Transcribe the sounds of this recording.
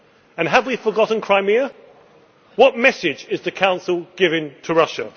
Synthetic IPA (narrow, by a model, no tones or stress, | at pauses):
ə̃nəvwifəɡɒʔn̩kʰɹ̥aɪmɪə | wɒt̚mɛsɪd͡ʒɪzðəkʰãʊ̃nsəl̩ˠɡ̥ɪvɪ̃ŋtʰəɹʌʃə